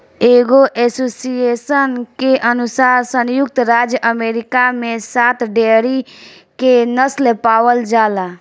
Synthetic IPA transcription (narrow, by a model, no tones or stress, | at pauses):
eːɡoʔesosijesənkeʔənusaːɾsə̃njʊkt̪ɾad͡ʒjəʔəmeːɾikamẽsat̪ɖeɾikenəslepaʋəld͡ʒaːla